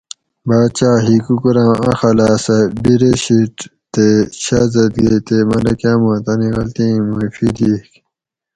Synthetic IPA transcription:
baːd̪t͡ɕaːɦikukuɾãɐ̰xɐlaːsɐbiɾeɕiʈ | t̪eɕazɐt̪ɡeːt̪emɐlɐkjaːmõt̪ɐniɣɐlt̪ĩːmufid̪ik

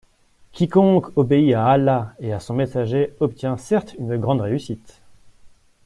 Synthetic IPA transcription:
kʲikɔ̃kʰɔbeiaːlaeasɔ̃mesaʒeɔp̚t̪jɛ̃sɛʁt̪ynɡʁɑ̃d̪ʁeysit̪

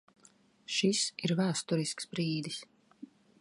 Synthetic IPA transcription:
ʃisiɾvæːst̪uɾisksbɾiːd̪is

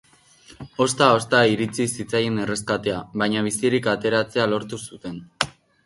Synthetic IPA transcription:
o̞st̪ao̞st̪aiɾit͡sisit͡sajene̞re̞skat̪e̞aβajɲaβisiɾikat̪e̞ɾat͡se̞alo̞ɾt̪usut̪e̞n

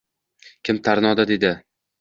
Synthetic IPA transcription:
kʲʰɪmt̪ʰaɾnɒd̪ad̪ed̪ɪ

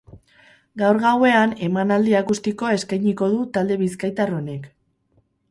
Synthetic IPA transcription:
ɡawɾɣawe̞ane̞manald̪iakust̪iko̞e̞skajɲiko̞ðut̪ald̪e̞βiskajt̪aro̞ne̞k

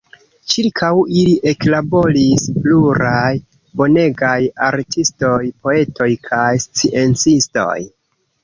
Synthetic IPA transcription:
t͡ʃiɾkʰawiliʔe̞klabo̞lispluɾaj | bo̞ne̞ɡajaɾtʰisto̞jpo̞e̞tʰo̞jkʰajst͡siʔent͡sisto̞̰j

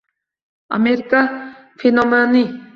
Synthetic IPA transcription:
a̰meɾka | finomani

